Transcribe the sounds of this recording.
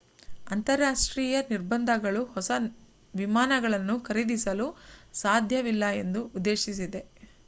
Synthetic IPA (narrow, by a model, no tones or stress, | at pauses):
ɐnt̪ɐɾːaːʂʈɾiːjɐniɾbɐnd̪ʱɐɡɐɭuhɔsɐ | ʋimaːnɐɡɐɭɐnːukɐɾid̪isɐlusaːd̪ʱjɐʋilːɐe̞nd̪uːd̪ːe̞ːʃisid̪e̞